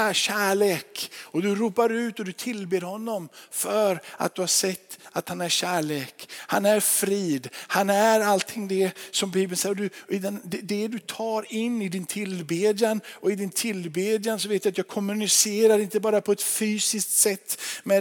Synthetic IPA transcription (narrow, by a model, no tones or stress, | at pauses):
ɕæːɭeːkɔd̪ɵɾuːpaɾʉ̟ːt̪ɔd̪ɵt̪ʰɪlbeːɾhɔnːɔmfœɾa̰t̪̚d̪ɵhaʂɛt̪ːat̪hanæɾɕæːɭeːkhanæɾfɾiːd̪hanæɾalt̪ʰɪŋd̪ɛsɔmbiːbənsɛjːɔd̪ɵːd̪and̪ɛd̪ɛd̪ɵt̪ʰɑːɾɪnːɪd̪ɪnt̪ʰɪlbeːd̪janɔɪd̪ɪnt̪ʰɪlbeːd̪jans̬ɔveːt̪vjat̪jɑːɡkʰɔmːʉnɪseːɾaɾɪnt̪əbɑːɾapʰɔɛt̪fyːsɪsk̚t̪sɛt̪ːmɛ